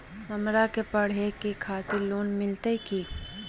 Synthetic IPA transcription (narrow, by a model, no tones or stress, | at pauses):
mɐmɾakepɐɽ̤ekekʰaːt̪ɪɾloːnmɪlt̪əikiː